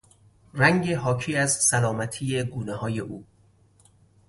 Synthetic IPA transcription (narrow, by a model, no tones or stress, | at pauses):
ræŋɟe̞ɦɒːcʰiːæzsælɒːmæt̪ʰiːje̞ɡuːnehɒːje̞ʔuː